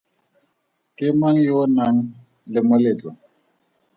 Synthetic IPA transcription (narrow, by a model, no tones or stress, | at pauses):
kɪmaŋ̩jonaŋ̩ | lɪmʊlet͡sʼɔ